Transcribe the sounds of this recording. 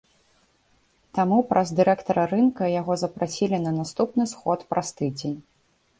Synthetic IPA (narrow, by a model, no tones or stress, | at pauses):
t̪amupɾʔɐzd̪ɨɾɛkt̪ɐɾɐɾɨnkɐjaɣɔzɐpɾasʲilʲinɐnast̪upnɨsxɔt̪pɾast̪ɨd͡zʲenʲ